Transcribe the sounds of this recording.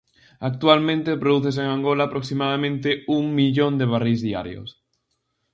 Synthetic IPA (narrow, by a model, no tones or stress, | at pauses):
ak̚t̪ualmẽnt̪epɾoðuθes̬eŋaŋɡolaːpɾoksimaðamẽnt̪euŋmiʎõnd̪eβ̞arizðia̰ɾjo̰s